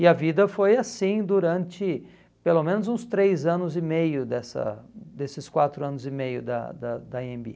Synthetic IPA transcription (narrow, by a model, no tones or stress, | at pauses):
ɪɐvid̪ɐfojasĩd̪uɾɐ̃nt͡ʃɪ | pelomẽnʊzũst̪ɾejzɐ̃nʊzɪmejʊd̪ɛsɐ̰d̪esɪskwat̪ɾʊɐ̃nʊzɪmejʊd̪ɐ̰d̪ɐd̪ɐẽmbḭ